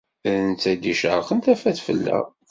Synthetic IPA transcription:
nt͡s̪æd̪iʃəɾˤχənt̪æfæθfə̰lːæ̰

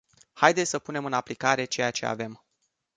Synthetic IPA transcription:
hajd̪esʲsəpune̞mɨnaplikaɾe̞t͡ʃe̞jat͡ʃe̞a̰ve̞m

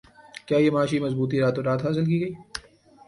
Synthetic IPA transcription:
kjaːjemaːʃimɐzbuːt̪̬iɾaːt̪oɾaːt̪ɦaːs̬ɪlkiːɡɐiː

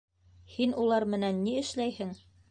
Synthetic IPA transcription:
hinulˠɑɾmɘ̆nænːiɘ̆ʃlæjhɘŋ

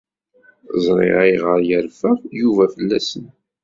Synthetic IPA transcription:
zˤɾˤɪ̰ʁiʁəɾjəɾfəʁjuvæfəlːæsən

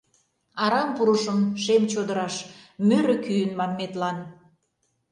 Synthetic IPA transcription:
ɑɾɑmpuɾəʃəmʃemt͡ɕod̪əɾɑʃmøɾø̆kyjənmɑnmet̪lɑn

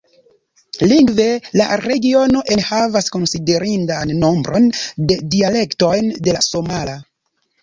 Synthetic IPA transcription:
liŋɡve̞la̰ɾe̞ɡio̞no̞ʔe̞nhavasko̞nside̞ɾindanːo̞mbɾʔo̞nde̞diale̞kto̞jnde̞laso̞mala

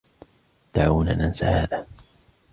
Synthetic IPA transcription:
d̪̥aʕuːna̰ːnʔansahaːðaː

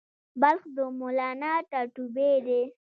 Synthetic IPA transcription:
balxd̪əmolɑnaʈaʈubed̪e

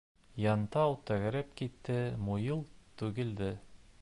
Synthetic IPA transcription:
jɑnt̪ɑwt̪æɡæ̆ɾɘpkit̪ːɘmujɤlˠt̪ʉɡɘ̆ld̪ɘ

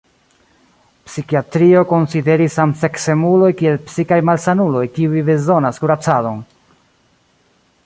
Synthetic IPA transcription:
psikiatɾio̞ko̞nside̞ɾisamse̞kse̞mulo̞jkie̞lpsikajmalsanulo̞jkiuijbe̞zo̞naskuɾat͡sado̞n

